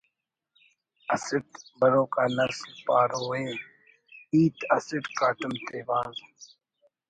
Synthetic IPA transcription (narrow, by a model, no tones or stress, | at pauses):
ɐsɪʈbɐɾoːkaːnɐslpaːɾoːẽː | iːt̪ɐsɪɖkaːʈumt̪eːbaːz